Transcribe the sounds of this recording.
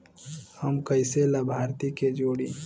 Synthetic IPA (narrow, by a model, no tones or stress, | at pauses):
həmkəɪselabʱaːɾt̪iked͡ʒoːɽiː